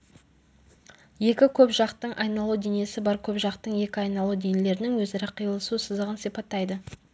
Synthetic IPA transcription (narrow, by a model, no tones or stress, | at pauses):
je̞kʲɪkʲʰɵpʒɑqt̪əɴʔɑjnɑlˠud̪e̞ne̞sɪbɑɾkʲʰɵpʒɑqt̪əɴje̞kʲɪɑjnɑlˠud̪e̞nele̞ɾɪnɪŋwɵzɪɾɪqʰijəlˠəsusəzd̪əʁənsijpɑt̪ːɑjd̪ə